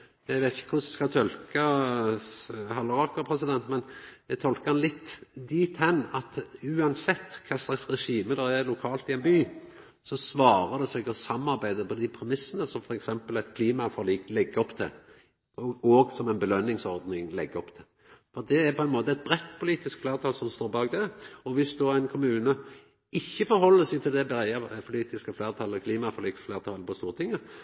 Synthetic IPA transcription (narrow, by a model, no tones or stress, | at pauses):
jæɡʋæɪt̪ɪçə̥kʰʊsskɑt̪ʰɔlkə | hɑləɾʁɑkəpʰɾɛsɪd̪ɛnt̪mɛnd̪ɛt̪ʰɔlkəhɑnlɪt̪ːd̪iːt̪hɛnːɑt̪ʉːɑnsɛt̪ːkʰɑsɑsɾɛʂiːməd̪ɔælʊkʰɑːlt̪ɪɛnbyː | sɔsʋɑːɾəd̪ɛsɛːɡɔsɑmɑʁbæɪd̪əpʰɔd̪ɪpʰɾɛmɪsːənəsɔmfɔɾɛksɛmpəlɛt̪kʰliːmɑfɔliːklɛɡːɔpt̪ʰɪ | ɔoːɡsɔmɛnbəlœnːɪŋsɔɾd̪nɪŋlɛɡːəɔpt̪ʰɪl | fɔɾd̪ɛæɾpʰɔɛnmoːt̪əɛt̪̚bɾɛt̪ːpʰʊliːt̪ɪskfleːɾt̪ʰɑlsɔmst̪oːɾbɑːɡd̪ɛɔʋɪsd̪oæɪnkʰʊmʉːnə | ɪçːəfɔɾhɔlːəsɛɪt̪ʰɪld̪ɛbɛɾæɪɑpʰʊliːt̪ɪskəfleːʁt̪ʰɑlːəkʰliːmɑfɔʁliːkfleːʁt̪ʰɑlːəpʰɔst̪uːʁət̪ʰɪŋːə